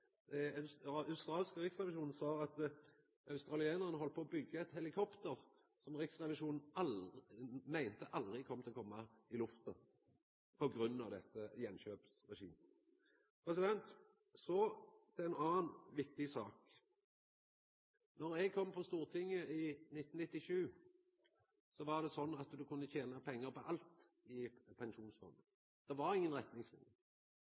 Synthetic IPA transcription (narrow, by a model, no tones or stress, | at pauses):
ɑɑʉst̪ɾɑːlskəʁɪksʁɛʋɪʃuːn̩sɑːɑt̪ | ɑʉst̪ʁɑlɪɛːnəʁənəɦɔlt̪̚poːbʏɡːəɛt̪hɛlɪkʰɔpt̪əʁ | sɔmʁɪksʁɛʋɪʂuːnn̩ɑ | mæɪnt̪əʔɑld̪ʁɪkʰɔmət̪ʰɪlɔkʰɔmːɑɪlʉft̪ə | pʰɔɡɾʉnːɑʋd̪ɛt̪ːəjɛnʃøːpsʁɛʃḭːm | pʰʁɛsɪd̪ɛnt̪ | sɔt̪ʰɛɛɪnɑːnʋɪk̚t̪ɪsɑːk | nɔɾɛɡ̚kʰɔmːpʰɔst̪uːʁt̪ʰɪŋːəɪnɪt̪ːn̩nɪt̪ːɪʂʉː | sɔʋɑd̪ɛsɔnːɑt̪d̪ʉkʰʉnːət̪ʰeːnɑpʰɛŋːəɾpɔʔɑlt̪ | ɪpʰɛnʃuːnsfɔɾmən | d̪̥ɛʋɑɾɪŋːənʁɛt̪nɪŋslɪ̰nə